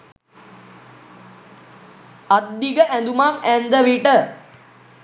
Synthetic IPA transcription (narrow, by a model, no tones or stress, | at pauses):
ad̪ːiɡəʔænd̪umamænd̪əʋiʈə